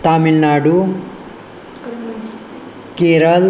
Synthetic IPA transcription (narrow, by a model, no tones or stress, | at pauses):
t̪aːmilnaːɖu | keːɾəl